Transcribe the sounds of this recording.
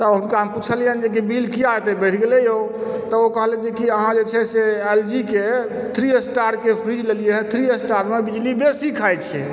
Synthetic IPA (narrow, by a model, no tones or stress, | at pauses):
t̪əənkeamput͡ʃʰəliənd͡ʒek̬ibʱilkiajt̪ɛbɛʈʰɡelɛjot̪əokəɦəlɛd͡ʒekiəɦãd͡ʒet͡ʃʰɛseeld͡ʒike | t̪ʰɾiesʈaɾkepʰɾid͡ʒlelijeɦɛ̃t̪ʰɾiesʈaɾmebid͡ʒlibesikʰajt̪t͡ʃʰɛ